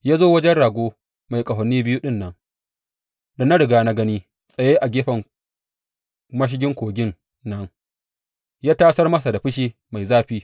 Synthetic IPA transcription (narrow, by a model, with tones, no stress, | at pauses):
jaː˦zoː˦wɐ˦d͡ʒɛ˦nɽaː˨ɡʷoː˦ | ma˨jkʼɐ˨ɦɔ˨nːiː˦bɪ˦ju˦ɗɪ˦nːɐ˦ŋ | da˨na˦ɽɪ˨ɡaː˦˨na˦ɡɐ˦niː˦ | sʼɐ˨jeː˦ʔa˨ɡʲeː˦ɸɐ˨ŋ | mɐ˦ʃ̬ɪ˦ɡʲɪ˦ŋkʷoː˨ɡʲɪ˦ŋ | nɐ˦ŋ | jaː˦taː˦sɐ˦rmɐ˦s̬a˨da˨ɸɪ˦ʃiː˦ | ma˨jzaː˦ɸiː˦